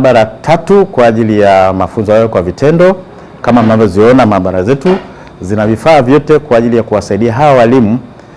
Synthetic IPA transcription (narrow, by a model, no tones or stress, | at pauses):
ɓaɾatʰatukwaːʄilijamafunzɔjajɔkwavitʰɛndɔ | kamam̩navjɔziɔnamaːɓaɾazɛtu | zinavifaːvjɔtɛkwaːʄilijakuwasaiɗiaɦawawalimu